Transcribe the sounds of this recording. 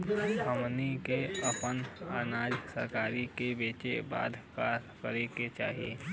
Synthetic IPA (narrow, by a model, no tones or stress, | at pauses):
əmnikeəpənaːnaːd͡ʒsə̰ɾkaːɾikebeːt͡ʃeba̰ːd̪ʱkakəɾeket͡ʃaːɦiḛː